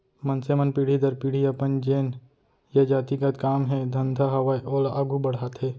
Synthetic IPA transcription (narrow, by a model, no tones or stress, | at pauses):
mənsemənpiːɽ̤id̪əɾpiːɽ̤iɐpənd͡ʒeːn | jɐd͡ʒaːt̪iɡat̪kaːmɦɛd̪ʱənd̪ʱaɦɐʋajʔoːlʔɐɡʱubəɽ̤aːt̪ɦɛː